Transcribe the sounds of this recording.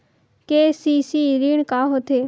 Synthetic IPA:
keːsisiːɾiɳkaːɦot̪ʰeː

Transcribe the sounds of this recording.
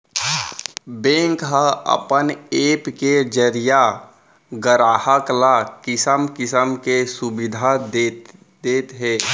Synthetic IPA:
bẽːŋkɦəə̰pəneːpked͡ʒəɾija | ɡəɾaːhəklakɪsəmkɪsəmkesʊbɪd̪ʱa | d̪eːt̪ɦeː

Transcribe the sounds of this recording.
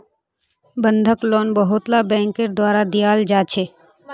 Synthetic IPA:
bə̃nd̪ʱəkloːnbəɦʊt̪labɛ̃ːŋkəɾd̪waːɾad̪ijaːld͡ʒaːt͡ʃʰeː

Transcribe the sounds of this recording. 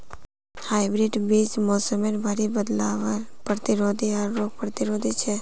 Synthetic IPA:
haːjbɾiɖbismɔːsəmeɾbʱaɾibəd̪laʋəɾpəɾt̪iɾod̪iaɾːoːɡ̚pəɾt̪iɾod̪it͡ʃʰe

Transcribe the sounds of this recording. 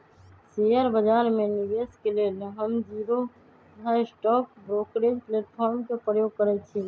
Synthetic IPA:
sejəɾbəd͡ʒaːɾmẽnɪbeskeleːlɦəmd͡ʒiːɾo | d̪ʱasʈɔːk̚bɾoːkɾed͡ʒpleːʈpʰɔːɾmkepɾəjoːɡ̚kəɾɛt͡ʃʰi

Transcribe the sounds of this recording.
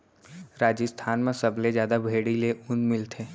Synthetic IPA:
ɾaːd͡ʒəst̪ʰaːnmẽsɐblezjaːd̪abʱeːɽileʊnmɪlt̪ʰeː

